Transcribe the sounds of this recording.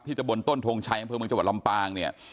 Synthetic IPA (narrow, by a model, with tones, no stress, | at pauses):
t̪̚ʰiː˥˩t͡ɕa˨˩bo˧nt̪o˥˩nt̪ʰoː˧ŋt͡ɕʰa˦˥jʔa˧mpʰɤː˧mɯ˧t͡ɕw̚la˧mpaː˧ŋni˥˩ɐ